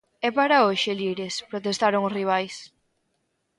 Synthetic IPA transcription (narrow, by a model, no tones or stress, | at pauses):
ɛpaɾaoʃeliɾespɾot̪̬est̪aɾoŋʊsriβ̞ajs